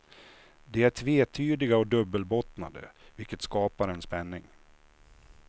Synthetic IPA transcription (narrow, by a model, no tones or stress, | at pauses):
d̪ɛæɾʈʰveːt̪ʰyːd̪ɪɡaɔd̪ɵbːəlbɔt̪nad̪ə̰vɪlkət̪skɑːpaɾɛnspɛnːɪŋ